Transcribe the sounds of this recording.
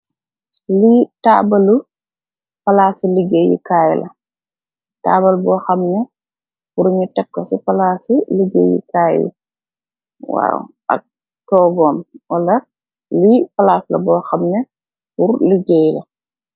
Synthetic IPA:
litaːbalu | fɐlaːsiliɡejḭkaːjilʔɐ | ta̰ːbɐlbɔːxɐmnɛ | puɾɲutɛkːɔsifalasiliɡḛjḭkaːjḭ | wa̰ːwʔɐ̰k̚ | tɔːɡɔːmwalɐ | lifalaːslɐ̰bɔːxɐmnɛ | puɾliɡɛjlɐ

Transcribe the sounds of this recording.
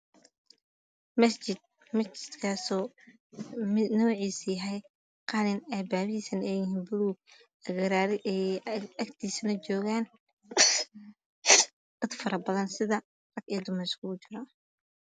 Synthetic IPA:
mɐst͡ʃɪd̪̚ | mɐst͡ʃɪ̥d̪̥kʰaːsɔː | mnɔːʕiːsjɐɦɛj | qɑːnɪnɐjbaːβiːsɐnɛjɪɦiːnbʊluːɡ | ɐɣɐɾaːɾɪʔɛɐkt̪ʰiːsnɐt͡ʃɔːɣaːn | d̪̥ɐd̪fɐɾɐbɐðɐnsɪðɐ | rɐɡɛːd̪ʊmɐskʰʊʊt͡ʃɪɾɔ

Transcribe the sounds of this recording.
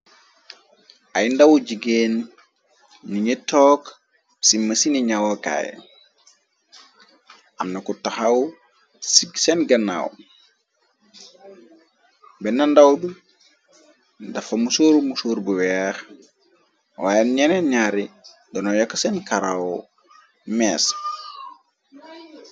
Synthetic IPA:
ajndawuɟiɡeːn | iɲitɔːk | simɐsiniɲawoka̰ːj̰ | amnɐkutaxawu | siɡsenɡɐna̰w | bɛnɐndawdu | dɐfɐmusoːɾmusoːɾbuwɛx | wajeɲeneɲaɾi | dɔnojɐkːsenkaɾawo | mɛːs

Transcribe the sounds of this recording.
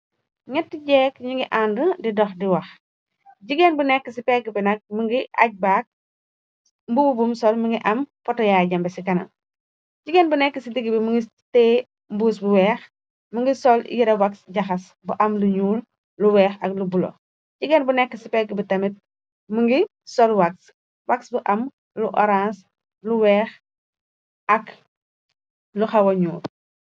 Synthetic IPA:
ŋɛtːiɟɛːkɲuŋɡiʔandədidɔxdiwɐx | ɟiɡɛnbunɛkːəsipɛɡəbinɐk̚məŋɡiʔɐ̰c̚baːk̚ | mbububumsɔlməŋɡiʔɐmpɔtɔjaːɟɐmbɛsikɐnɐ̰ | ɟiɡɛnbunɛkːəsidiɡibiməŋɡi | tɛː | mbuːsbuwɛːx | muŋɡisɔljiɾɐwɐksɟɐxɐs | buʔɐmluɲuːl | luwɛːxɐk̚lubulɔ̰ | ɟiɡɛnbunɛkːəsipɛɡibitɐmit̚ | muŋɡi | sɔlwak̚s | waksbuʔɐm | luʔɔ̰ɾãːns | luwɛːx | ɐk | luxɐwɐɲuːl

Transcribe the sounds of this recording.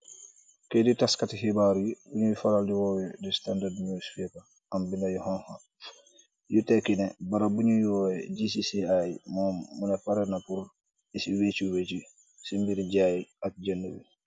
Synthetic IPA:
keditaskatihibaɾujibuɲujifalaldiwɔwɛdistandadmiusfipa | ambinajuhɔnha | jutekinɛbaɾabuɲujɔjɛɟisisiajmɔːmːunɛfaɾenapuɾ | isiwet͡ʃuwet͡ʃi | simbiɾiɟajiat̚ɟɛnːuwḭ

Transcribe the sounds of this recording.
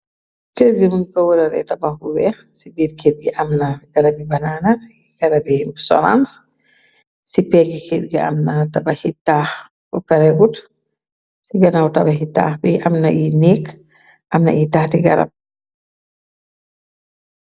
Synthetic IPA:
teɾɡimunkɔwuɾaɾɛ̰tabakuwɛ | sibiːɾkʰet̚ɡɛʔamnaɡaɾabibanaːna | iɡaɾabɛhimsɔ̰ɾa̰ns | sipɛɡikedɡia̰mnatabahitːah | kɔkaɾɛɡut | siɡanawtabaɦitːa̰ːhbɛʔamnaʔinek | ʔamna̰itatiɡa̰ɾa̰b̚

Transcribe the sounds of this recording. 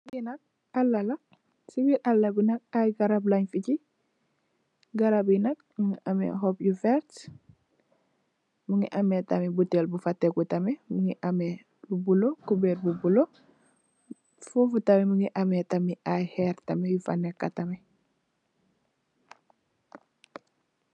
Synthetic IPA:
ɡinak̚ | alːala | siwiɾʔalːabinak̚ajɡaɾablaɲfici | ɡaɾabinak̚muŋiʔamḛɦopjufeɾt | muŋḭʔametamibutelbufatːekutamemuŋiʔame | bubulokubeɾbubulo | fufutamemuŋiʔametamiʔajheɾtamejufanːekːatame

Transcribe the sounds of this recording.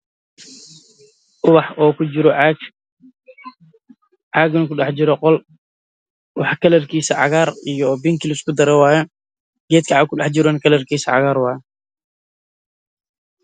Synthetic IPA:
ʊwɑħɔːkʰʊd͡ʒɪɾɔ | ʕɑːɡnɐkʊɗɑħt͡ʃɪɾɔqɔl | wɑħkʰɐlɐrkʰiːsɐʕɑ̰ɣaːɾijɔbɪŋkɪlskʰʊd̪ɐɾɛwɑːjɛ | ɡ̥ɛːd̪̚kʰɐʕɑkʰʊɗɛħt͡ʃɪɾɔːnkʰɐlɐrkʰiːsɐʕɑ̰ɣaːɾwɑːjɛ

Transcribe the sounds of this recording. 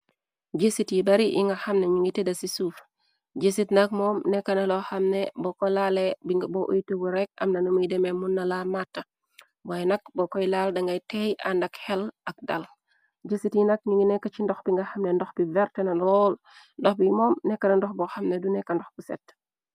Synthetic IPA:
ɟesitjibɐɾiʔḭŋɡɐxɐmneɲiŋɡitedɐsisuf | ɟesitnɐkmɔːmnɛkːɐnɐlɔxɐmnebɔkolalebiboʔojitubuɾɛk̚ɐ̰mnɐnumudɛmemunːɐlamatːɐ | wajɛnɐk̚bɔkɔjlaldɐŋɡajtejandɐkhɛlɐk̚da̰l | ɟesitjinɐk̚ɲiŋɡinɛkːɐt͡ʃindɔxbiŋɡaxɐmnendɔxb̥ivɛɾtenalɔːl | ndɔxbimɔːmnɛkːɐnɐndɔxbɔxamnedunɛkːɐndɔxbusɛ̰t

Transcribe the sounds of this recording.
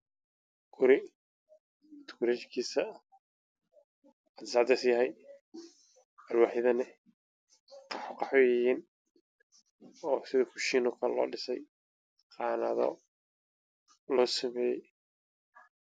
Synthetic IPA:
ɡ̥ʊɾɪ | t̪ʰkʰɔɾɛːt͡ʃkʰiːsɐ | ɐd̪sɑːʕd̪ɐsjɐɦɛj | ɐlwɑːħɪðɐnɪ | qɑħɔqɑħɔjɐjiːn | ɔːsɪðɐkʰʊʃiːnʊkʰɐlɔ̰ːɖɪsɛj | qɑːnɐðɔ̰ | lɔːsɐmɛːjɛj

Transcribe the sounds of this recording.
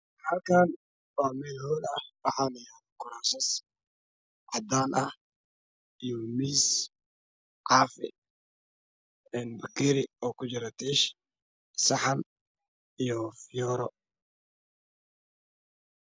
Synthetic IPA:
hɐlkʰaːn | waːmɛːlhɔːlɐwɑħaːnɐjaːðkʰʊɾaːsɛs | ʕɑd̪aːnʔɐh | ijɔmiːs | ʕɑːfɪ̰ | ɛːnbɐɡiɾɪɔːkʰʊt͡ʃɪɾɐt̪ʰiːʃ | sɐħɐn | ijɔfɪjɔːɾɔ

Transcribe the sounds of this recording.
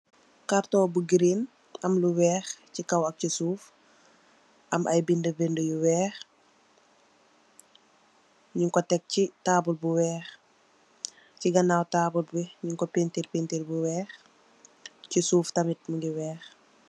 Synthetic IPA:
kaɾtɔːbuɡiɾin | ɐmluwɛːxcikɐwɐk̚cisuːf | ʔɐmʔɐ̰jbindəbendəjuwɛːx | ɲuŋkɔtɛk̚citaːbulbuwɛːx | ciɡɐnawtaːbulbiɲuŋkɔpentiɾpintilbuwɛːx | cisuːftɐmit̚muɡiwɛːx

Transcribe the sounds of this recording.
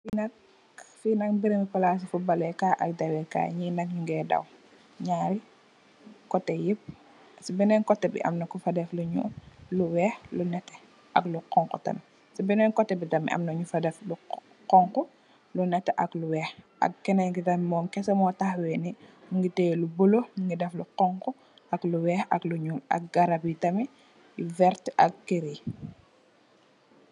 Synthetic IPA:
finɐk̚ | finɐk̚biɾiŋipɐlaːs̬ifubɐlɛkaʔɐk̚dɐwɛka̰ɲinɐk̚ɲuŋɡɛːdɐ̰w | ɲaːɾi | kɔtːɛjip̚ | sibɛnɛnkɔtːɛbḭʔɐ̰mnɐkufɐdɛfluɲṵluwɛxlunɛtːɛ̥ | ʔɐ̰kluqɔŋkɔ̰tɐ̰n | sibɛnɛnkɔtːɛbidɐmḭʔɐ̰mnɐɲufɐdɛflu | qɔŋku | lunɛtːɛʔɐkluwɛːx | ɐ̰k̚kɛnɛɡitɐmimɔːmkɛsɐmɔtaxwɛniŋɡitɛːlubuloŋɡidɛfluqɔŋku | ɐkluwɛxɐ̰kluɲuːlɐ̰k̚ɡɐɾabitɐmi | vɛɾtʔɐ̰k̚keɾi

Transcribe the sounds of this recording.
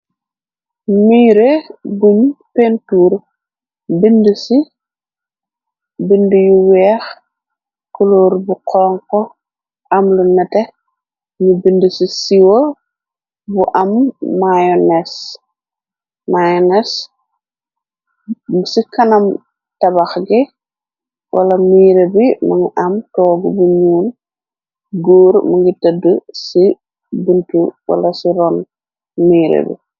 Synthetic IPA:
miːɾebumpentuːɾ | bindusi | bindujuwɛːx | kuloɾbukʰɔŋkɔ | ʔɐmlunɐte | nubindusisiwo | buʔɐmːajɔnes | majɔnɛs | msikɐnɐm | tɐbɐxɡi | wʔɐ̰lɐmiːɾebimɐŋiʔɐmtɔːɡubuɲuːl | ɡoːɾmɐŋɡitədəsi | bintuwɐ̰lɐsiɾɔn | miːɾḛbḭ

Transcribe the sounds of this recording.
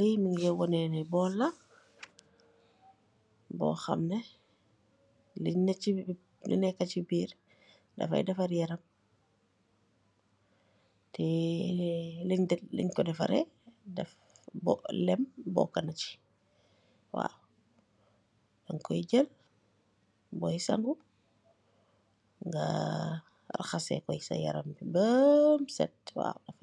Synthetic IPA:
ijmiŋɡɛwɔnɛnɛbɔla | bɔ̰xɐ̰mnɛ | liɲni | lḭnɛkat͡ʃibiːɾ | dɐ̰fa̰jdɐfaɾjɛɾɐm | tɛ | liɲdlḭɲkɔdɛfa̰ɾɛ̰dɛf | bɔlɛmbɔ̰kɐnɐt͡ʃi̥ | wa̰ | dɐŋkɔjiɟɐl | bɔjsɐ̰ŋɡu | ŋɡa̰ | ra̰xɐsɛ̰kɔjsɐ̰jɐ̰ɾɐmbibəmsɛ̰t̚wa̰dɐf

